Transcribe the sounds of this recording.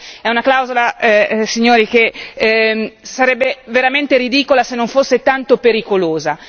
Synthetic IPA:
ɛunaklawzolasiɲːoːɾike | saɾɛbːeveɾament̪eɾid̪iːkolasenːoɱfosːet̪ant̪opeɾikoloːza

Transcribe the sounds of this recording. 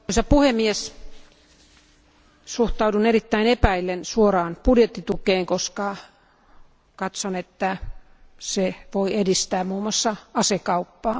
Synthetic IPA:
isɑpuhemːies | suht̪ɑudunerit̪ːæinepæilːensuorɑːnpudjet̪ːit̪ukeːŋkoskɑ | kɑt̪sonet̪ːæ | seʋoiedist̪æːmmuːmːɑsːɑɑsekɑupːɑː

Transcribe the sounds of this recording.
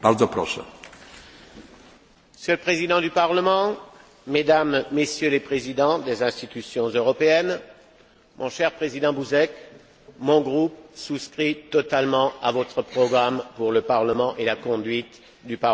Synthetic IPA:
baɾd̪zɔpɾɔ̰ʂɛ̰ | əsjølpχezid̪ɑ̃d̪ypaʁləmɑ̃ | med̪amːesjølepχezid̪ɑ̃d̪ezɛ̃st̪it̪ysjɔ̃zøʁɔpeɛn | mʔɔ̰̃ʃɛʁpχezid̪ɑ̃buzɛk | mɔ̃ɡʁupsuskχit̪ɔt̪almɑ̃avɔt̪χəpχɔɡʁampuʁləpaʁləmɑ̃ʔelakɔ̃d̪ɥit̪ | d̪ypa

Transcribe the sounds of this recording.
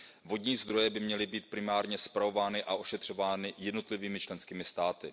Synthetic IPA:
vo̞dɲiːzd̪ɾo̞jɛbɪmɲɛlɪbiːt̪̚pɾɪmaːɾɲɛspɾao̞vaːnɪʔaʔo̞ʃɛt̪r̝̥o̞vaːnɪjɛdno̞t̪lɪviːmɪt͡ʃlɛnskiːmɪst̪aːt̪ɪ

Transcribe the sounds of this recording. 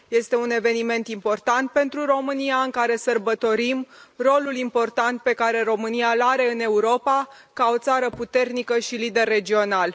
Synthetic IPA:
je̞st̪e̞une̞ve̞nime̞nt̪impo̞rt̪ant̪̚pe̞nt̪ɾuro̞mɨniaɨŋkaɾe̞sərbət̪o̞ɾimro̞lulimpo̞rt̪ant̪̚pe̞kaɾe̞ro̞mɨnialaɾe̞ɨne̞uɾo̞pa | kao̞t̪saɾəput̪e̞rnikəʃilid̪e̞rːe̞d͡ʒio̞nal

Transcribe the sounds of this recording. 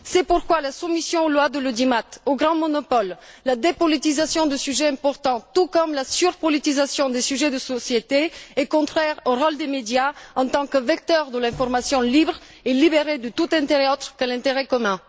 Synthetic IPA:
sɛpuʁkwalasumisjɔ̃olwad̪əlod̪imat̪oɡʁɑ̃mɔnɔpɔllad̪epɔlit̪izasjɔ̃d̪əsyʒɛɛ̃pɔʁt̪ɑ̃t̪ukɔmlasyʁpɔlit̪izasjɔ̃d̪esyʒɛd̪əsɔsjet̪eɛkɔ̃t̪χɛʁoʁɔld̪emed̪jaɑ̃t̪ɑ̃kəvɛk̚t̪œʁd̪əlɛ̃fɔʁmasjɔ̃libʁ | ɛlibeʁed̪ət̪ut̪ɛ̃t̪eʁɛot̪χə̥kəlɛ̃t̪eʁɛkɔmɛ̃

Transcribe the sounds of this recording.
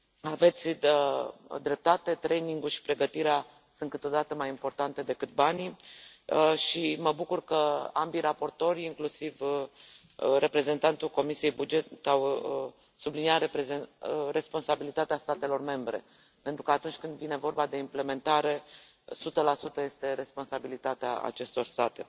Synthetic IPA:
ave̞t̪sʲəd̪ɾe̞p̚t̪at̪e̞t̪ɾejniŋɡulʃi̥pɾe̞ɡət̪iɾea | sɨnt̪kɨt̪od̪at̪əmajimpo̞rt̪ant̪e̞d̪e̞kɨt̪̚bani | ʃiməbukurkəambiɾapo̞rt̪o̞ɾʲiŋklusiv | re̞pɾe̞ze̞nt̪ant̪ulko̞misije̞jbud͡ʒe̞t̪aw | subliniaɾeezere̞spo̞nsabilit̪at̪east̪at̪e̞lo̞rme̞mbɾe̞̰ | pe̞nt̪ɾukəat̪unt͡ʃʲkɨnd̪vine̞vo̞rbad̪e̞imple̞me̞nt̪aɾe̞ | sut̪əlasut̪əje̞st̪e̞ɾe̞spo̞nsabilit̪at̪ea̰a̰t͡ʃe̞st̪o̞rst̪at̪e̞

